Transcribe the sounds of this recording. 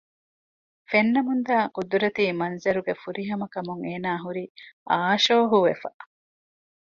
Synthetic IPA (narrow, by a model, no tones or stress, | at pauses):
fenːɐmund̪aːkud̪uɾɐt̪iːmɐnzɐɾuɡefuɾiɦɐmɐkɐmuŋeːnaːɦuɾiʔaːʃoːɦuʋefɐ̰ʔ